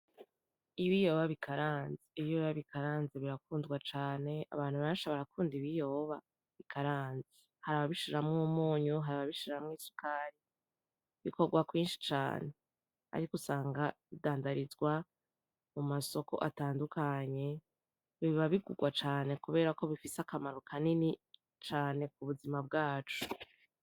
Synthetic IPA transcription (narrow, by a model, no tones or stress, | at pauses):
iβijo̞ːβaβikʰaɾaːnziiβijoβaβikʰaɾaːnziβiɾakuːnzɡwat͡ʃaːne̞a̰βaːn̥huβaaʃaβaɾakuːndiβijo̞βa | βikʰaɾaːnzi̥ | haɾaβaβiʃiɾamŋumuːɲuɦaɾaβaβiʃiɾamŋiːsu̥kʰaːɾi | βiko̞ɡwakwiːnʃi̥t͡ʃa̰ːne̞ | a̰ɾikusaːŋɡaβidaːndaɾizɡwa | mumaso̞ko̞̰ʔataːndukaɲe̞ | βiβaβiɡuɡwat͡ʃaːne̞kuβe̞ːɾako̞βifisakamaɾo̞kʰanini | t͡ʃaːne̞k̚uβuzimab̚ɡaːt͡ʃu̥